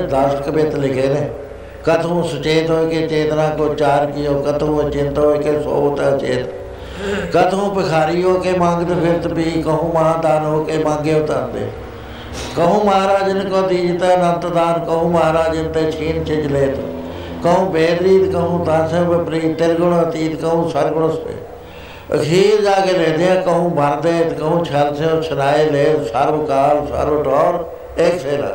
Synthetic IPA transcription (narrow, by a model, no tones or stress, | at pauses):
d̪aːskbet̪lɪkʰeːneː | kət̪ʰũːsʊt͡ʃeːt̪ɦoːkeːt͡ʃeːt̪nãːkot͡ʃaːɾkɪjoːkət̪ʰũːət͡ʃɪnt̪ɦoːekeːso̰ːt̪aːt͡ʃḛːt̪ː | kət̪ʰõːpɪkʰaːɾiːɦoːkeːmãːŋɡt̪epʰɪɾt̪piːkəɦũːmaãːd̪aːnɦoːkeːmãːŋɡeːʊt̪and̪ḛː | kəɦũːməaːɾaːd͡ʒənkoːt̪iːd͡ʒt̪enənt̪d̪aːnkəɦũːməɦaːɾaːd͡ʒənt̪eːt͡ʃʰiːnt͡ʃɪd͡ʒleːt̪ː | kəɦũːbeːd̪ɾiːt̪kəɦũːt̪aːnsẽbepɾiːt̪ɪɾɡʊɽt̪iːt̪kəɦũːsəɾɡʊɽosḛː | ɦiːɾd͡ʒaːɡeːlẽːd̪eãːkəɦũːbəɾd̪eːt̪kəɦũːt͡ʃʰəlseõːt͡ʃʰənaːeːleːt̪saːɾoːkaːlsa̰ːɾoːʈɔːɾ | eːkseːla̰ː